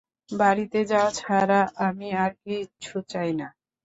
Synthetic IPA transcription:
baɾit̪ed͡ʑaot͡ɕʰaɾaʔamiaɾkit͡ɕʰut͡ɕajna

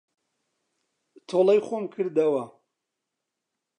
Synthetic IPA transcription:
t̪ʰolɛjxomkʰɨɾd̪ɐwɐ

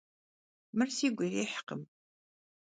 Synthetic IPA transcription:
mɨrsiːɡʷʊriːħqə̰m

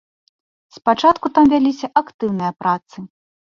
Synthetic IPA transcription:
spat͡ʂat̪kut̪amvʲalʲisʲɐʔakt̪ɨwnɨjɐpɾat̪sɨ

